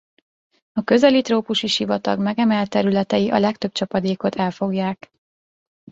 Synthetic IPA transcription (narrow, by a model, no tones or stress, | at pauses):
ɒkø̞zɛlit̪roːpuʃiʃivɒt̪ɒ̰ɡmɛɡɛmɛlt̪ːɛɾylɛt̪ɛjiʔɒ̰lɛkt̪ø̞b̚t͡ʃɒpɒd̪eːko̞t̪ʰɛlfo̞ɡjaːk